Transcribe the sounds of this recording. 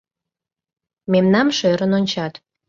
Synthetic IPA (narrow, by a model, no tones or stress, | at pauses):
memnɑmʃøɾənonʲt͡ɕɑt̪